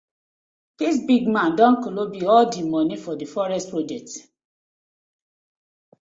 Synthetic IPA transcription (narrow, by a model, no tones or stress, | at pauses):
d̥is̬biɡmãndɔ̃nkolobiɔldimɔ̃nifɔdifɔɹɛstpɹod͡ʒɛk̚t